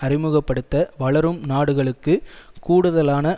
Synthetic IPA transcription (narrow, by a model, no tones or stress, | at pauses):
ɐrɪmɯɣɐpːɐɽɯt̪ːɐʋɐɭɐɾɯmnaːɽɯɣɐɭɯkːɯkuːɽɯðɐlaːnɐ